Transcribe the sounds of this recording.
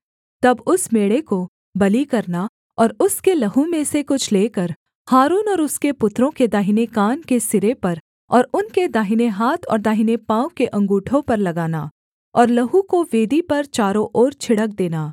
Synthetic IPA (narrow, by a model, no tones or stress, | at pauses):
t̪ɐbʊsmeːɽeko | bɐlikɐɾna | ɔːɾʊskelɐɦumẽsekʊt͡ʃʰleːkɐɾ | haːɾuːnɔːɾʊskepʊt̪ːɾõked̪aːɦɪnekaːnkesɪɾepɐɾ | ɔːɾʊnked̪aːɦɪneɦaːt̪ʰɔ̰ːɾd̪aːɦɪnepãːʊkeʔɐ̃ŋɡuːʈʰõpɐɾlɐɡaːnaː | ɔːɾlɐɦũkoʋeːd̪ipɐɾt͡ʃaːɾõʔɔːɾt͡ʃʰɪɽək̚d̪eːnaː